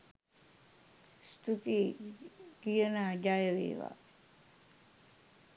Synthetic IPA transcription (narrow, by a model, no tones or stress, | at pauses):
st̪ʰut̪i | ɡijənad͡ʒajəʋḛːʋa̰